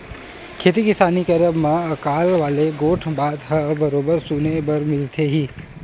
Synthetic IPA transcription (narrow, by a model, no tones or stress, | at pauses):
kʰeːt̪̬ikɪsaːnikɐɾəbmãɐkaːlʋaːleɡoːʈʰbaːd̪ɦəbɐɾoːbəɾsuːnebɐɾmɪlt̪ʰeɦiː